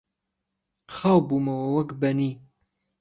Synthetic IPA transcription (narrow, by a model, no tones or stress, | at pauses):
xaːwbumɐwɐwɐkbɐniː